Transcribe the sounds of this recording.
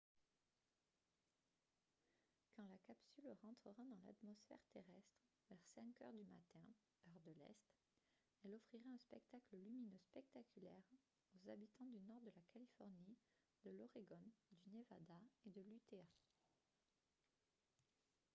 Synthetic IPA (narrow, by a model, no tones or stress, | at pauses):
kɑ̃lakapsylʁɑ̃t̪χəʁad̪ɑ̃la̰t̪mɔsfɛ̰ʁt̪eʁɛst̪χ | vɛʁsɛ̃kœ̰ʁd̪yma̰t̪ɛ̃ | œʁd̪əlɛ̰st̪ | ɛlɔfχiʁaɛ̃spɛkt̪akləlyminøspɛk̚t̪akʲylɛʁ | ozabit̪ɑ̃d̪ynɔʁd̪əlakʰalifɔʁni | d̪əlɔʁeɡɔnd̪ynevad̪aed̪əlyt̪e